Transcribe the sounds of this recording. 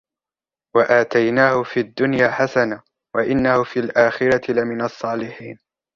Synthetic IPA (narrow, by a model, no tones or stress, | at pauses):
waʔaːt̪ajnaːhʊfiːad̪ːʊnjaːħasana | waʔɪnːahʊfiːlʔaːxɪɾɑt̪ɪlamɪnɑsˤːɑːlɪħiːn